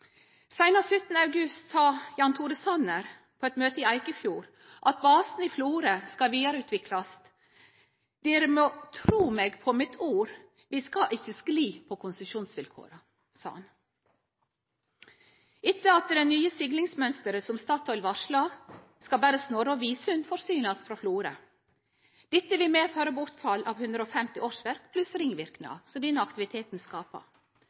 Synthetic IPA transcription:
sæɪnəɾsʉt̪nəɑʉɡʉst̪sɑːjɑːnt̪ʰuːɾəsɑnəɾ | pʰoːɛt̪møːt̪əiːæɪkəfjuːɾ | ʔɑt̪̚bɑːsn̩iːfluːɾəskɑʋiːd̪ɑɾəʉːt̪ʰʋɪkʰlɑs | d̪̥eːɾəmoːt̪ʰɾuːmeːɡpʰomɪt̪ʰuːɾ | ʋiːskɑʔɪçːəskliːpʰoːkʰʊnsəʃuːnsʋɪlkʰo̰ːɾə | sɑ̰ːɑn | ɪt̪ːəɑt̪əɖ̪ɛnyːəsɪɡlɪŋsmœnst̪əɾəsɔmst̪ɑːt̪ʰɔʏɪlʋɑʂlɑːʋ | skɑbæːɾəsnoːɾɑʋiːsʉnfɔɾsyːnɑsfɾɑːfluːɾə | d̪̥ɪt̪ːəʋɪlmeːføːɾəbʊɾt̪fɑlːʔɑːʋhʉnd̪ɾəoːfɛmt̪ɪʔoːʂʋæɾkpʰlʉsɾɪŋʋɪɾknɑ̰sɔd̪ɛnəɑkt̪ɪʋɪt̪ʰeːt̪n̩skɑːpə̰

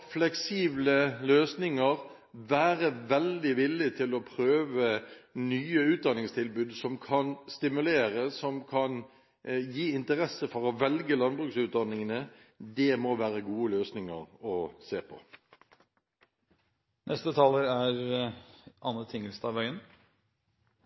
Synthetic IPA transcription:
flɛksiːbləløːsnɪŋəʁ | ʋæːʁəʋɛld̪ɪʋɪlːɪt̪ʰɪlɔpʰɾøːʋənyːəʉːt̪̚d̪ɑnɪŋst̪ʰɪlbʉːd̪sɔmkʰɑnst̪ɪmʉleːʁəsɔmkʰɑn | jiːɪnt̪əɾɛsəfɔʁɔʋɛlɡəlɑnbʁʉksʉːt̪̚d̪ɑnːɪŋənə | d̪ɛmɔʋæːʁəɡuːəløːsnɪŋə̰ʁɔseːpʰɔ̰ | nʔɛst̪ət̪ʰɑːləɾæɾ | ɑnːət̪ʰɪŋəlst̪ɑʋœʏən

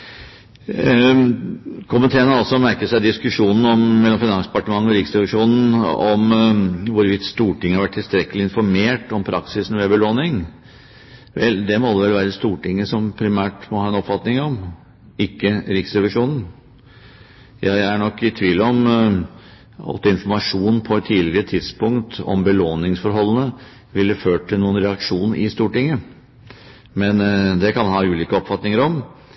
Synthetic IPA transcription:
kʰʊmənt̪ʰeːɾənəɾɔlsɔmæɾkəsæɪd̪ɪskʉʂuːnn̩ɔmmɛlːɔmfɪnɑŋsd̪ɛpɑʈəmɑŋːənɔɾɪksɾɛʋɪʂuːnn̩ɔ̰mʋʊɾʋɪt̪st̪uːʈɪŋːəhɑɾʋæʈ̪ʰːɪlst̪ɾɛkːəlɪɪnfɔɾmeːʈɔmpʰɾʔɑksɪsn̩ʋɛbəloːnɪŋ | ʋɛld̪ɛmoːd̪ɛʋɛlʋæːɾəst̪uːʈɪŋːəsɔmpʰɾɪmæːʈmɔhɑːɛnɔpfɑt̪nɪŋɔm | ɪkːəɾɪksɾɛʋɪʂuːnn̩ | jæɪæɳɔkːɪt̪ʰʋiːlːəɔm | ɑ̰lt̪ːɔɪnfɔɾmɑʂuːnpʰɔɛt̪ʰːiːlɪɡəɾət̪ʰɪd̪spʊŋkt̪ɔ̰mbəloːnɪŋsfɔɾɦɔlːənə | ʋɪlːəføːʈ̚ʈʰːɪlnuːənɾɛɑkʂuːnəɾʔɪst̪uːʈɪŋːə | mɛnd̪ɛkʰɑnmɑnhɑːʉːliːkəɔpfɑt̪nɪŋəɾɔm

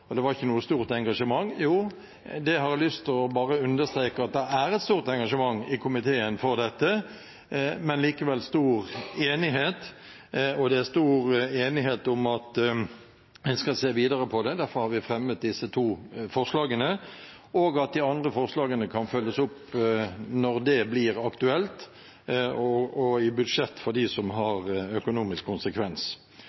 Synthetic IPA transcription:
ɔd̪ɛʋɑɾɪçːənuːəst̪uːʁt̪ɛŋɡɑʂəmɑŋːjuː | d̪ɛɦɑɾlʏst̪ɔbɑːɾəʉnd̪əʁst̪ɾeːkəɑt̪̚d̪ɛæɾɛt̪st̪uːʁt̪ɛŋɡɑʂəmɑŋːɪkʰʊmɪt̪ʰeːənfɔʁd̪ɛt̪ːə | mɛnliːkəʋɛlːst̪uːʁeːnɪɦeːt̪ | ɔd̪ɛæst̪uːɾeːnɪɦeːt̪ʊmɑt̪ | ʋɪnskɑseːʋiːd̪əɾəpʰɔd̪ɛd̪æɾfɔɾhɑɾʋɪfʁɛmːət̪̚d̪ɪsːət̪ʰuːfɔʁʂlɑːɡənə | oːɡɑt̪̚d̪ɪɑnd̪ʁəfɔʁʂlɑːɡənəkʰɑnfœlːəsʊp | nɔʁd̪ɛblɪːɾɑkt̪ʉɛlt̪ | ɔɔɪbʉd̪ʂɛt̪ːfɔʁd̪ɪsɔmɦɑʁœkʊnuːmɪskʰːʊnsəkʰʋɛns

